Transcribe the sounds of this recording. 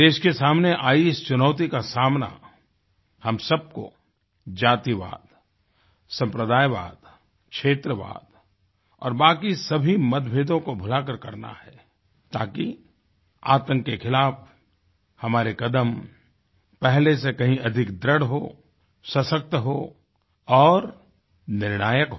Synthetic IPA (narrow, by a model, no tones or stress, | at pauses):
d̪eːʃkesaːmneʔaːiɪst͡ʃʊnəʊt̪̬ikasaːmna̰ | hɐmsɐb̚ko̰ | d͡ʒaːt̪iʋa̰ːd̪ | sɐ̃mpɾəd̪aːjʋa̰ːd̪ | kʃʰeːt̪ɾəʋa̰ːd̪ | ɔ̰ːɾbaːkisɐbʱimɐd̪bʱeːd̪õkobʱʊlakəɾkɐɾna̰hɛ | t̪aːki | aːt̪ə̃ŋkːekʰɪlaːf | hɐmaːɾekɐd̪əm | pɛɦlesekɐɦĩʔɐd̪ʱɪkd̪ɾəɽ̤ɦo | sɐsək̚t̪ɦo | ɔːɾ | nɪɾɽ̃aːjəkɦo